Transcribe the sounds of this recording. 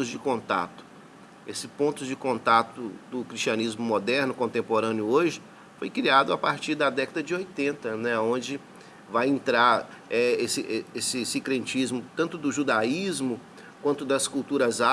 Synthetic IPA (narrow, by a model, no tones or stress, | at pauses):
ʊzd͡ʒɪkõnt̪a̰t̪ʊ̥ | esɪpõnt̪ʊd͡ʒɪkõnt̪at̪ʊd̪ʊkɾisʃt͡ʃiɐnizmʊmod̪ɛɾnʊkõnt̪ẽmpoɾɐ̃njʊoʒɪ | fojkɾiad̪ʊapaɾt͡ʃiɾd̪ɐd̪ɛkɐd̪ɐd͡ʒɪojt̪ẽnt̪ɐnɛõd͡ʒɪ | vajẽnt̪ɾaɾ | ɛesɪʔesɪsikɾẽnt͡ʃizmʊt̪ɐ̃nt̪ʊd̪ʊʒud̪aizmʊ | kwɐ̃nt̪ʊd̪ɐskult̪uɾɐza